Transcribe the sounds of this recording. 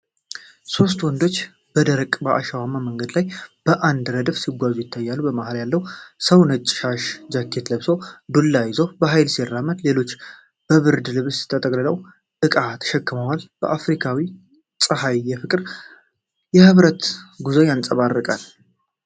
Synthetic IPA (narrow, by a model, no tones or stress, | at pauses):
so̞st̪wɔnd̪o̞t͡ʃː | b̥əd̪əɾəkʼbəʔa̰ʃawamaməŋɡəd̪lajb̥əʔand̪ɾəd̪əfsiɡʷazujɪt̪ʰːajːalːubəmahaljalːəwsəwnət͡ʃʼːʃaʃd͡ʒakʰːe̞t̪ləβsowbɨlːajɪzobəɦajlserːamət̪le̞lo̞t͡ʃː | b̥əβɨɾd̪ɨlɨβɨst̪ʰət̪ʼəkʼlɨləw | ɨkʼat̪ʰə̥ʃɛkːɨməwalb̥ə̰ʔafɾikʰawi | sʼɨhajːɛfɨkʼɨɾ | jɛhɨβɾət̪ɡuzojant͡sʼəβarːɨkʼal